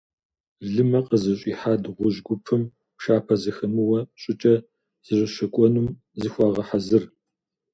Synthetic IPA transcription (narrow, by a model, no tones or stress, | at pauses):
ɮɨmɐqəzɨɕʼiːħaːdʁʷʊʑɡʷʊpʰɨm | pʃaːpʰɐzɨxɐmɨwɐɕʼɪt͡ʃʼɐ | z̥ɨɕʷʼɪʃɐkʷʼɔnum | zɨxʷɑːʁɐħazɨr